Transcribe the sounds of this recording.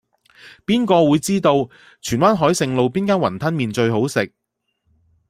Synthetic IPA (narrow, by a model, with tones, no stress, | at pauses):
piː˥nkɔː˧wuː˨˧jt͡siː˥t̪o˧w | t͡ʃʰyː˨˩nwaː˥nɦɔː˨˥jsɪ˧ŋlo˨˧wpiː˥nkaː˥nwɐ˨˩nt̪ʰɐ˥nmiː˨nt͡ʃɵ˧ɥɦo˨˥wsɪ˨k̚